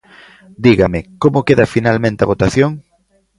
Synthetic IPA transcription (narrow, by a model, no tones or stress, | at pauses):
d̪iɣɐmɪkomʊkeðɐfinalmẽnt̪eɐaβot̪aθjoŋ